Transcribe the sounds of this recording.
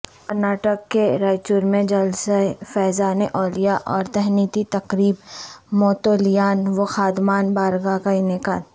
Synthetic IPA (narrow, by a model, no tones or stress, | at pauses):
kɐɾnaːʈəkːeɾaːjt͡ʃuɾmẽd͡ʒɐlsefɛːzaːneʔɔːlijaʔɔːɾt̪ɛɦniːt̪it̪ɐkɾiːbmɔːt̪olijaːnʋoxaːd̪maːnbaːɾɡakainɪkaːt̪